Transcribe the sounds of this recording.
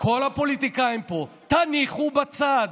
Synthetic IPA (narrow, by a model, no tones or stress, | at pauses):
kʰo̞lapolit̪ikajimpo̞ | t̪aniχubat͡sad̪